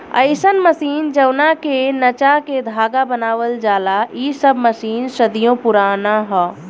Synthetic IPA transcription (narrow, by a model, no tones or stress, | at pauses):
ə̰ɪsənməsiːnd͡ʒəwnakenət͡ʃaked̪ʱaːɡabənaːʋəld͡ʒaːlaisəbməsiːnʃəd̪ijõpʊɾaːnaɦɛː